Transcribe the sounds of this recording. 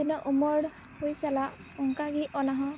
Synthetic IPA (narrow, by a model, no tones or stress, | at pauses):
inɔʔumɔɽ | hojsala | ɔŋkaɡiʔɔnaɦɔ